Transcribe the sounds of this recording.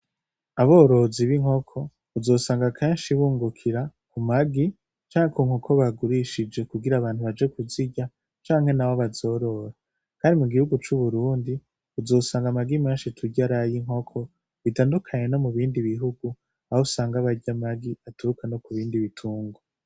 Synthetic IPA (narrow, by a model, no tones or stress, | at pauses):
aβo̞ɾo̞ziβiŋ̥ho̞kʰo̞ | uzo̞ːsaːŋɡakʰeːnʃiβuːŋɡukʰiɾakumaɡi | t͡ʃaːŋhekuːŋhokʰo̞βaɡuɾiʃid͡ʒe̞kuɡiɾaβaːnhuβad͡ʒe̞kuziɟa | t͡ʃaːŋ̥he̞naβoβazo̞ːɾo̞ɾa | kaːndimuɡihuɡut͡ʃuβuɾuːndi | uzo̞ːsaːŋɡamaɡimaːnʃitʰuɟaɾajiŋ̥ɦo̞kʰo̞ | βitaːndukʰaɲe̞no̞muβiːndiβiɦuɡu | aousaːŋɡaβaɟamaɡiatuukano̞kuβiːndiβitʰuːŋɡo